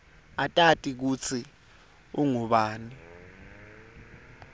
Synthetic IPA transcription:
atʼatʼik̬ut͡sʰi | uŋuɓaːni

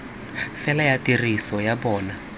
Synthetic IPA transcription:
fɛlajatirisɔjabɔːna

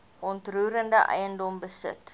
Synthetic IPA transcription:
ɔntruːɾəndəʔə̰jəndɔmbəsə̰t

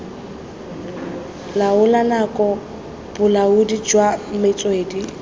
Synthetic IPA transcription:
laʊlanakʼɔ | b̥ʊlaʊdid͡ʒwam̩mɪt͡sʼweːdi

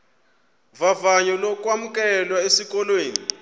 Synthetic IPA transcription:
vavaɲɔlɔk̬ʼwamukʼɛlwaesikʼɔlweːni

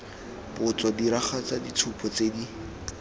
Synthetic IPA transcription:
bʊt͡sɔdiɾaχat͡sadit͡sʰupʰɔt͡sedi

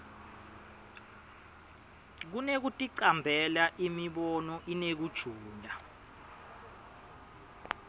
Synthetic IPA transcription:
k̬unek̬utʼiǀambʱɛlaʔimiɓɔnɔʔinek̬ud̥ʒ̥ʱuːndʱa

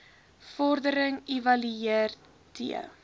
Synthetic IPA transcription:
fɔrdəɾəŋivɐlyeər | tʰḭə̰

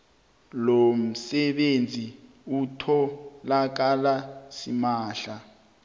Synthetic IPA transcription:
lom̩sɛɓend͡zʱi | utʰɔlak̬alasimaːɬa

